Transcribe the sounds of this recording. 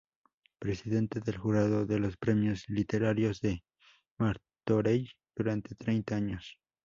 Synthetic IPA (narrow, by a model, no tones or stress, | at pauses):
pɾesiðe̞nt̪eðelxuɾað̞oðelospɾemjoslit̪eɾaɾjozðe | maɾ | t̪oɾejd̪̥uɾant̪et̪ɾejnt̪aaɲos